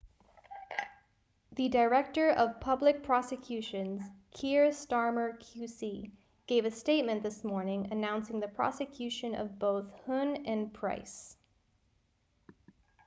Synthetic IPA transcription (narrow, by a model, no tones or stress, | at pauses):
ðɨdə˞ɛk̚tə˞ʔʌv̥pʰʌblɨk̚pʰɹ̥ɑsɨkʰj̥ʉʃɨ̃nz̥kʰiɹstɑɹmə˞kʰj̥ʉsi | ɡ̥eɪvɨsteɪt̚mɨ̃nðɪsmɔɹnɪ̃ŋɨnãʊ̃nsɪ̃ŋðɨpʰɹ̥ɑ̰sɨkʰj̥ʉʃɨ̃nʌ̰vboʊθhʊ̃nɨ̃npʰɹ̥a̰ɪs